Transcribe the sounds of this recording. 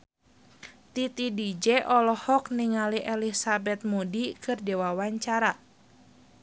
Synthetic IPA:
t̪it̪idid͡ʒɛʔɔlɔhɔk̚niŋaliʔɛlisabɛt̪̚modikɨrdɛwawaɲt͡ʃaɾa

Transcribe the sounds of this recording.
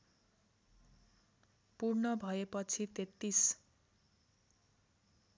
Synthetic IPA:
purnʌbʱʌepʌt͡sʰit̪et̪ːis

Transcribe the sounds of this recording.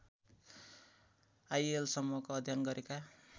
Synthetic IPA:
ajelsʌmːuʌkoʌd̪ʱjanɡʌɾeka

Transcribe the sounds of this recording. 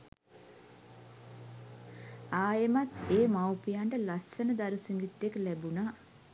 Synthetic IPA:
aːjemat̪eːmawpijaɳʈəlɐsːɐnəd̪aɾusiŋɡit̪ːeklæbuna

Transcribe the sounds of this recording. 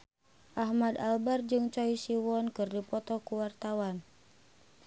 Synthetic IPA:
ʔahmad̪albard͡ʒɨŋt͡ʃɔisiwɔnkɨrdipɔt̪ɔkuwart̪awan

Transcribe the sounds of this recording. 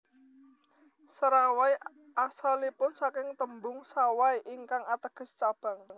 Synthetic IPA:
səɾawai | asalipʊnsakɪŋt̪əmbʊŋsawaiʔiŋkaŋat̪əɡ̥ə̤st͡ʃab̥a̤ŋ

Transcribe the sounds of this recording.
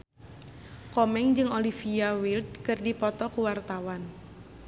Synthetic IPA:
kɔmɛŋd͡ʒɨŋolifiawild̪̚kɨrdipɔt̪ɔkuwart̪awan

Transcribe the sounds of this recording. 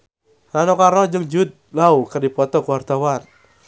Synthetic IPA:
ranɔkaɾɔd͡ʒəŋd͡ʒud̪̚laukərdipɔt̪ɔkuwart̪awan

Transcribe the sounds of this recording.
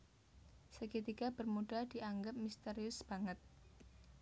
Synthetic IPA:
səkit̪ikabərmudahdiʔaŋɡəp̚mist̪eɾiʊsb̥aŋət̪̚

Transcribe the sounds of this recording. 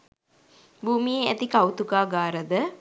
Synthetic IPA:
buːmijeæt̪ikawt̪ukaːɡaːɾəd̪ə

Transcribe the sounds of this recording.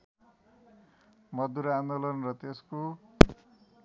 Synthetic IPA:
mʌd̪ːuɾand̪olʌnrʌt̪esko

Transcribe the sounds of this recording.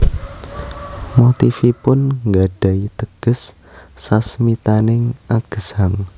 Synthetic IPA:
mot̪ifipʊnŋɡaɖ̥a̤it̪əɡ̥ə̤sː | asmit̪anɪŋaɡ̥əsaŋ

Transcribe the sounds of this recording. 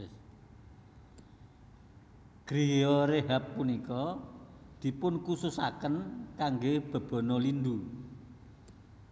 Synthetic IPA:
ɡ̥ɾijɔɾeɦapːunikɔ | d̪̥i̤pʊnkususa̰kənkaŋɡeb̥ə̤b̥ɔ̤nɔlind̪u

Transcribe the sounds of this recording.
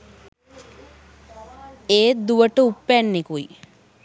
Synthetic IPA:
eːd̪uʋəʈəupːænːekui

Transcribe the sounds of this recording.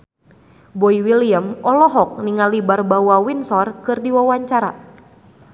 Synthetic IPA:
bɔiwiliəmɔlɔɦɔk̚niŋalibarbawawinsɔrkɨrdiwawaɲt͡ʃaɾa

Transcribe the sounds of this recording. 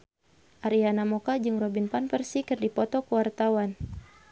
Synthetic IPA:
ʔaɾianamɔkad͡ʒɨŋrɔbinpanpərsikɨrdipɔt̪ɔkəwart̪awan

